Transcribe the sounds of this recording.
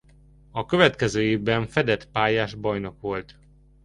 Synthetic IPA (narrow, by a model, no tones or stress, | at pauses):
ɒkøvɛt̪kɛzøːeːvbɛɱfɛd̪ɛt̪paːjaːʒbɒjno̞kʋo̞lt̪